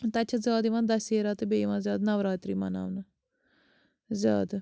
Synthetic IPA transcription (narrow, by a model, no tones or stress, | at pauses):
t̪ːɐt͡ʃʰazʲaːd̪iʋãːd̪ɐseːɾaːt̪ebeːʋãːzjaːd̪nɐʋɾaːt̪ɾiːma̰na̰ːʋn | zjaːd̪